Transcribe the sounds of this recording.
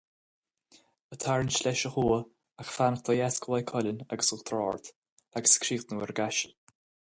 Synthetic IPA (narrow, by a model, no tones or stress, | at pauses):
ət̪ʰaɹənʃlɛʃəxuːə | axfanəxt̪ʰajɛskʰəwajkʰɔlənaɡəsʊxt̪ʰɾɔːɹt̪ | aɡə̥skʰɾiːxt̪nəwɛɾɡaʃəlʲ